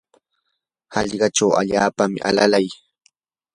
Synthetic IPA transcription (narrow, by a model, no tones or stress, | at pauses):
hɑʎɢɑʈ͡ʂawa̰ʎaːpamɪ̰ʔa̰lalaj